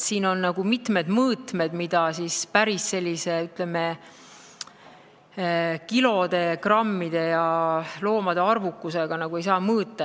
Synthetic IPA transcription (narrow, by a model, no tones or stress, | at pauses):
siːno̞nːɑɡ̥umit̪me̞d̪mɤːt̪me̞d̪mid̪̥ɑsispæɾisːe̞lʲːise̞yt̪leme | kilo̞d̪̥e̞krɑmːid̪̥e̞jɑlo̞ːmɑd̪̥e̞ɑrvukːuse̞ɡ̥ɑnɑɡ̥ue̞jsɑːmɤːt̪ˑːɑ